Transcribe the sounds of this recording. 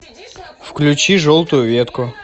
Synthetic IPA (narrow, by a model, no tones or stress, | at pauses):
fklʲʉt͡ɕiʐolˠt̪ʊjʊvʲet̪kʊ